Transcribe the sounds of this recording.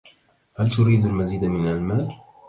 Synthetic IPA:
halt̪ʊɾiːd̪almaziːd̪mɪnalmaːl

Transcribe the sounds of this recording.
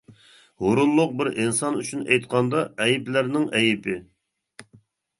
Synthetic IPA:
hoɾunlˠʊq̚bɪɾɪnsɑnyt͡ʃʰynɛ̰jt̪̚qʰɑnd̪ɑɛjiplæɾnɪŋʔɛjɪpʰɪ

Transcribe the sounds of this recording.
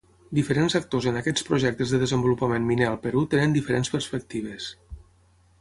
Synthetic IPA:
d̪ifəɾenzək̚t̪ozənəkɛt͡spɾuʒɛk̚t̪əzðəðəzəmbulupəmenminealˠpəɾut̪enənd̪ifəɾenspəɾspək̚t̪iβ̞əs

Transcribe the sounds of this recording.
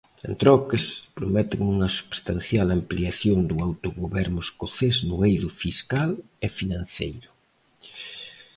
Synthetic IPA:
ḛnt̪ɾɔkespɾomɛt̪ɪŋuŋɐsu̥βst̪anθjalampliaθjond̪ʊawt̪oɣoβɛɾnʊeskoθeznʊejðʊfiskal | ɛfinãn̟θḛjɾʊ

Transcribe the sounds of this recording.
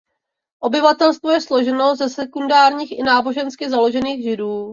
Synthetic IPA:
ʔo̞bɪvat̪ɛlst̪vojɛslo̞ʒɛno̞zɛsɛkundaːɾɲiːxʔɪnaːbo̞ʒɛnskɪzalo̞ʒɛniːɣʒɪduː

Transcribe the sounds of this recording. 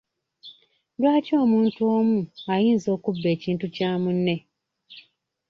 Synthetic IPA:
lwaːtio̞ːmuːntuoːmuajiːnzo̞ːkubːe̞ːciːntucaːmunːe̞

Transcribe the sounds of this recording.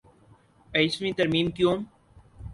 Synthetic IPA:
eɪsmĩt̪ɐɾmĩːmkjõːm

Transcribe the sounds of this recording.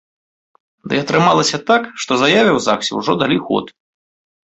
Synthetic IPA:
d̪ɨ̰ɐt̪ɾɨmalˠɐsʲɐt̪akʂt̪ɔzajavʲiwzawsʲḭwʐɔd̪alʲixɔ̰t̪

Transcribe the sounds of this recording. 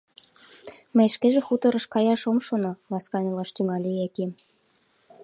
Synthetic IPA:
mɘ̆jʃkeʒĕxut̪ɤ̆ɾɤ̆ʃkɑjɑʃŏmʃonɑlˠɑskɑnʲɤlˠɑʃt̪yŋɑlʲeækʲem

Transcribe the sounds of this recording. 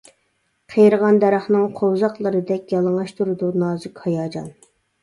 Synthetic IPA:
qʰejɾəʁɑnd̪ɛɾɑχnɨŋqʰowzɑqlˠəɾɨd̪ɛkʲjɑlˠəŋɑʃt̪ʰuɾɨd̪unɑːzɨkʲhɑjɑːd͡ʒɑ̰n

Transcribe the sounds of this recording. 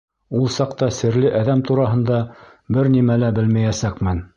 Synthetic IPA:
ulˠsɑqt̪ɑsɘ̆ɾlɘʔæðæmt̪uɾɑɦɤ̆nd̪ɑ | bɘɾnimælæbɘlmæjæsækmɘn

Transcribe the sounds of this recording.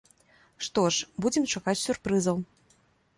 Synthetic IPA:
ʂt̪ɔʂbud͡zʲɛmt͡ʂakat͡sʲsʲurpɾɨzɐw

